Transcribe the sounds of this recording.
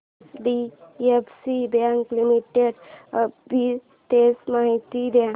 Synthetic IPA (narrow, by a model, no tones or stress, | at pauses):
ɖiepsibjãŋklimiʈeɖbi | t̪esmaɦit̪ibjã